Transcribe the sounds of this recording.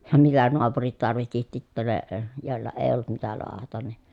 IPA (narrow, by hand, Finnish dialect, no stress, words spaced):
jɑ mitæ noɑpurit tɑrʋihti titːæ ne joˑi̯lːɑ eː olːut mitæ loɑhɑtɑn ni